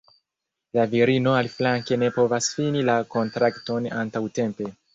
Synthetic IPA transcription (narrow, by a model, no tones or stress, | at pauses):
laviɾino̞alflaŋke̞ne̞po̞vasfinilako̞ntɾakto̞na̰ntawte̞mpe̞